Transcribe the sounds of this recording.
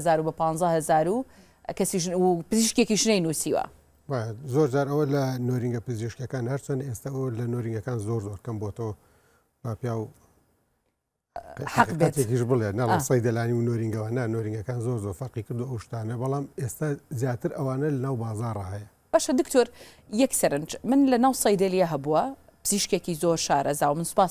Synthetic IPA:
zaːɾubɐpɑːnzˤɐhɐzaːɾu | kɐsiʃpɨziʃkekiʃnɐjnusiːwɐ̰ | bajazoːɾd͡ʒaːɾɐwɐlɐnoɾiŋɡɐpɨziʃkjɐkaːnhɐɾt͡ʃwɐnd̪est̪awɐlɐnoɾiŋɡɐkaːnzoɾzoɾkɐmbot̪ɐwɐ | b̥apjaːw | ħħaqibɐt̪ekiʃbɨlˠenɐlesɐjd̪ɐlaːniwnoɾiŋɡɐwanɐnoɾiŋɡɐkaːnzoɾzoɾfɐɾqikɨɾd̪uʔɐwʃt̪aːnɐbɐlˠaːmest̪azjaːt̪ɨɾɐwaːnɐlɐnaːwbaːzaːrˤahɐjɐ | b̥aːʃɐd̪ɨkt̪ʰoɾ | jɐksɐɾɨnd͡ʒmɨnlɐnaːwsɐjd̪ɐlijɐɦɐbuwɐ | pɨz̥iʃkekizoːɾʃaːɾʔɐzaːwɐmɨnspaːs

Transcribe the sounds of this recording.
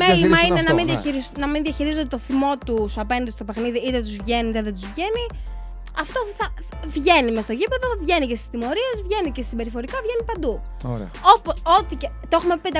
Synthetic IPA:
melimɐinenɐminðjɐiɾisnɐminðiɐçiɾizot̪et̪oθimo̞t̪usɐpe̞nd̪ist̪o̞pe̞xniðiit̪et̪̬uzvʝe̞nit̪eðet̪uzvʝe̞ni | ɐft̪o̞θɐ | vʝe̞nimest̪oʝipe̞ðovʝe̞nicesi̥st̪imo̞ɾie̞zvʝe̞nicessibe̞ɾifo̞ɾikɐvʝe̞nipɐnd̪u | oɾ̰o̞poo̞t̪icet̪oexumeped̪

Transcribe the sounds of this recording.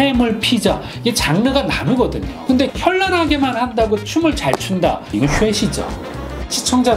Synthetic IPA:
emɯɭpʰid͡ʑa | iɡet͡ɕaŋnɯɡananɯɡʌdɯɲokɯnde̞çjʌɭːʌnɦaɡe̞manhandaɡot͡ɕʰumɯɭt͡ɕaɭt͡ɕʰunda̰inɕueɕʰid͡ʑo̰ | t͡ɕʰit͡ɕʰʌŋd͡ʑa

